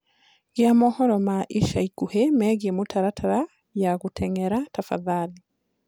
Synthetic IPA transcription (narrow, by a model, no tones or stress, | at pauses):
ɡjamɔhɔɾɔmaʔiʃaikuhemɛɣiemotʰaɾatʰaɾa | jaɣutʰɛŋɛɾatafa̰ðali